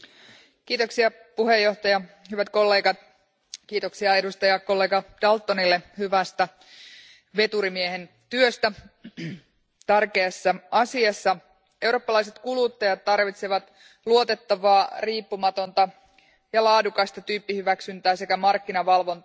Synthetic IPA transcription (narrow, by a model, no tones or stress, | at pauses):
kiːt̪o̞ksiɑ | puɦe̞jːo̞ht̪ɑjɑhyʋæt̪ko̞lːe̞ːɡɑt̪̚ | kiːt̪o̞ksiɑe̞dust̪ɑjɑko̞lːe̞ːɡɑd̥ɑlt̪ːo̞nilːehyʋæst̪æ | ʋe̞t̪uɾimiehe̞n | t̪yøst̪æ | t̪ærkeːsːɑɑsiɑsːɑ | e̞wro̞ːpːɑlɑjs̬e̞t̪kulut̪ːɑjɑt̪ːɑrʋit̪seʋɑt̪ | luo̞t̪e̞t̪ːɑʋɑːriːpːumɑt̪o̞nt̪ɑ | jɑlɑːdukɑst̪ɑt̪yːpːihyʋæksynt̪æːse̞kæmɑrkːinɑʋɑlʋo̞nt̪ɑ